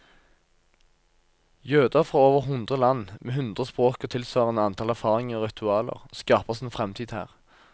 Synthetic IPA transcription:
jøːd̪əʁfʁoːoːʋəʁɦʊnd̪ʁəlɑnːmʔeːɦʉnd̪ʁəspʁoːkɔt̪ʰɪlsʋɑːʁəenɑnt̪ʰɑlæʁfɑːʁɪŋəʁɔʁɪt̪ʰʉɑːlə̰ʁskɑːpəseːnfʁɛmt̪ʰiːd̪hæ̰ːʁ

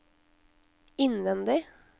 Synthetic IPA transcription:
ɪnʋɛnd̪ɪ

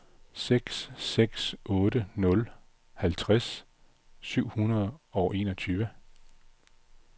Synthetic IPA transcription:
seɡ̥sːeɡ̥sɔ̽ːɾənɔ̽l | hælt͡sʰʁas | syʊ̰hunɐð̞̩ˠɒ̽ʊʔe̝̰ːnɒ̽t͡sʰyːʋə

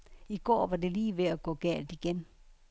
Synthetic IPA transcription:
iɡ̥ɔ̰ːʋɑ̈de̝liːʋeæɡ̥ɔ̰̽ːɡ̥ɛ̰ːld̥iɡ̥en

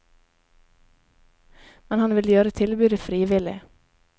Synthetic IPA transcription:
mɛnhɑnʋɪljøːɾət̪ʰɪlbʉːd̪əfɾiːʋɪlɪ̰

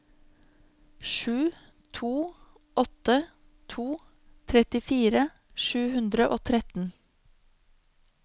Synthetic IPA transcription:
ʃʉː | t̪ʰuː | ʔɔt̪ə | t̪ʰuː | t̪ʰɾɛt̪ɪfiːɾə | ʃʉːhʉnd̪ɾəʔoːt̪ʰɾɛt̪n̩

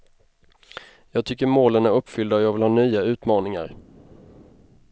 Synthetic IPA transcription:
jɑːɡ̚t̪ʰʏkːəɾmoːlənæɾɵpːfʏld̪aɔjɑːɡvɪlhɑːnyːaʉ̟ːt̪mɑːnɪŋa̰ɾ

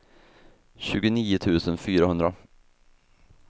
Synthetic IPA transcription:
ɕʉ̟ːɡʊniːʊt̪ʰʉ̟ːsənfyːɾahɵnd̪ɾa

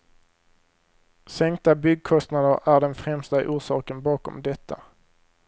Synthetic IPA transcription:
sɛŋk̚t̪abʏɡ̚kʰɔst̪nad̪əɾæɖɛnfɾɛmst̪a̰ʔuːʂɑːkənbɑːkɔ̰md̪ɛt̪ʰːa

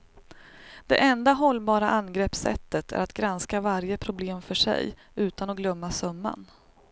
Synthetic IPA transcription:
d̪̥ɛ̰ʔɛnd̪aɦɔlːbɑːɾaʔanɡɾɛpsɛ̰t̪ːət̪ʰæ̰ɾat̪ɡɾanskavaɾjəpʰɾʊbleːmfœʂɛ̰j | ʉ̟ːt̪anɔɡlœmːasœmːa̰n

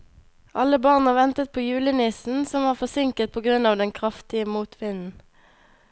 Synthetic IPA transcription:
ʔɑləbɑʁnəʋɛnt̪ət̪̚pʰoːjʉːlənɪsn̩sɔmʋɑːʁfɔʁsɪŋkət̪̚pʰoːɡʁʉnɑːʋd̪ɛnkʰʁɑft̪ɪəmuːt̪ʰʋɪnn̩

